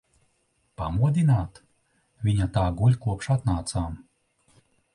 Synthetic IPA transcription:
pa̰muɔd̪ʲinaːt̪ | vʲiɲat̪aːɡulʲkuɔpʃat̪naːt̪saːm

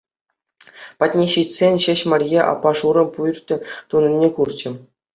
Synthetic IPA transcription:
pɑtʲnʲeɕitʲsʲenʲɕɘ̆ɕmɑrʲjeʔɑ̰pːɑʂuɾɤ̆mpuj̆rʲt̪ʲɘ̆t̪unɤ̆nʲːekurd͡ʑɘ̆

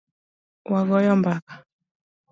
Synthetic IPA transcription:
waɡɔjɔmbakḁ

